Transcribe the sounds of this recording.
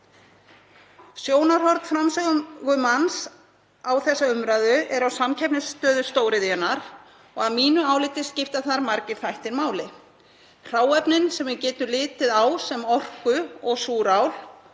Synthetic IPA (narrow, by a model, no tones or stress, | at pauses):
sjoːwnaɾ̥hɔɾt̪fɾamsɛɣɣʏmans | awθɛsːaʏmɾaðʏʔɛɾawsamcʰɛpnɪst̪œːðʏst̪oːwɾɪðɛnaɾ | ɔɣaðmiːnʏaːwlɪt̪ɪscɪft̪aθaɾmaɾcɪɾ̥fajht̪ɪɾmaːwlɪ | r̥aːwɛpnɪnsɛmʏcɛːt̪ʏlɪːt̪ɪðaːwsɛmɔr̥kʏɔɣsuːɾawl